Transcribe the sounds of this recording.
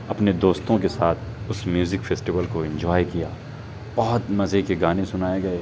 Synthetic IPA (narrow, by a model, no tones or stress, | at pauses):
ɐpned̪oːst̪õkesaːt̪ʰ | ʊsmjuːzɪkfʰeːsʈiʋəlkoɪ̃nd͡ʒɔːikijaː | b̥ɐɦʊt̪mɐzekeɡaːnesʊnaːeɡɐeː